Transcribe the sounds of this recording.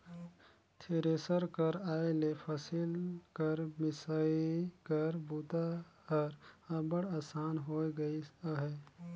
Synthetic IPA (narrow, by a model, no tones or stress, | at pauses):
t̪ʰeːɾeːsəɾkəɾaːelepʰəsilkəɾmɪsaːikəɾbuːt̪a | əɾəbəɽaːsaːnɦoːɡəiɦɛː